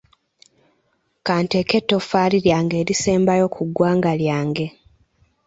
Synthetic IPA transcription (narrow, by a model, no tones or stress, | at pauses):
kaːnteke̞tːo̞faːliɾjaːŋɡe̞ːɾiseːmbajo̞kʰuɡːwaːŋɡaljaːŋɡe̞